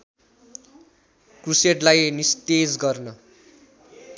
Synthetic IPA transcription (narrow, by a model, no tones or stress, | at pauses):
kruseʈlajnist̪ed͡zɡʌrnʌ